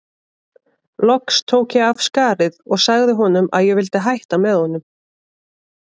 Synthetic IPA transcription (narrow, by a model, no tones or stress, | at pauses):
lɔkst̪ʰoːwkjɛavskaːɾɪðɔɣsaɣðɪɦɔnʏmʔa̰ðjɛɣvɪlt̪ɪɦajht̪amɛðhɔnʏm